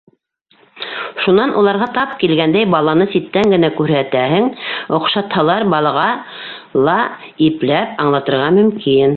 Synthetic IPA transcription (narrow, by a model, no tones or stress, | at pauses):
ʃunɑnʔulˠɑɾʁɑt̪ɑp̚kilɡænd̪æjbɑlˠɑnɤsit̪ːæŋɡɘ̆nækʉɾhæt̪æhɘŋŏqʃɑt̪hɑlˠɑɾbɑlˠɑʁɑ | lˠɑ | iplæpɑɴlˠɑt̪ɤ̆ɾʁɑmɵ̆mkʰin